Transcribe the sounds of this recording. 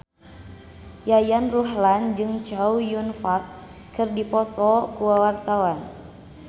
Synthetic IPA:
jajanruɦland͡ʒɨŋt͡ʃaujunfat̪̚ | kɨrdipɔt̪ɔkuwawart̪awan

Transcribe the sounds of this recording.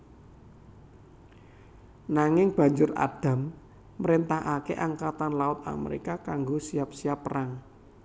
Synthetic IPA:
naŋɪŋb̥a̤ɲd͡ʒʊra̰d̥a̤mː | əɾent̪aɦakḛʔaŋkat̪anlaʊt̪̚a̰mḛɾḭkakaŋɡosiap̚siapːəɾʔaŋ

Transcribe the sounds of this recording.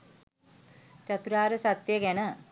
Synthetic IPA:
t͡ɕɐt̪uɾaːɾɐsɐt̪jɐkenɐ

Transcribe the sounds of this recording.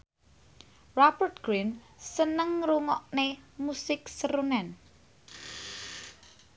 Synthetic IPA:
rapərt̪̚ɡ̥ɾin | sənəŋɾuŋɔʔnemusɪksəɾunɛn

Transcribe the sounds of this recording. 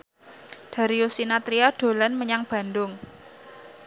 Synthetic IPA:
d̪̥a̤ɾiusinat̪ɾiɔɖ̥o̤lanməɲaŋb̥ä̤nd̪ʊŋ

